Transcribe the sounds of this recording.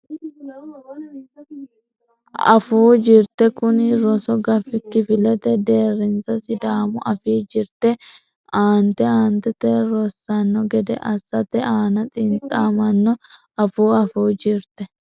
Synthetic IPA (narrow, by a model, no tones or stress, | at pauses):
ɐ̰fuːd͡ʒɪɾt̪ɛkʊnɪɾɔsɔɡɐfɪkːɪfɪlɛt̪ɛd̪e̞ːrːɪnsɐsɪd̪aːmʊʔɐfiːd͡ʒɪɾt̪ɛ | aːnt̪ɛaːnt̪ɛt̪ɛːɾɔsːɐnːɔɡɛd̪ɛ̰ʔɐsːɐt̪ɛaːnɐt̪ʼɪnt̪ʼaːmɐnːɔ | ɐfuːɐfuːd͡ʒɪɾt̪ɛ